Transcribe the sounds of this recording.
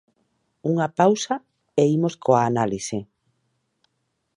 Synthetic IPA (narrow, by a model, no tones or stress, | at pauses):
uŋapawsɐ | eimoskoaːnalise